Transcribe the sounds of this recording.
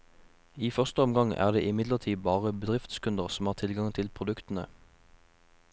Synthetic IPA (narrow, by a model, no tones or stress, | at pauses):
iːfœʁst̪əɔmɡɑŋæ̰ːʁd̪ḛːʔɪmɪd̪ləʁt̪ʰiːbɑːʁəbəd̪ʁɪft̪skʰʉnd̪əʁsm̩hɑːʁt̪ʰɪlɡɑŋt̪ʰɪlpʰʁʊd̪ʉkt̪n̩ə̰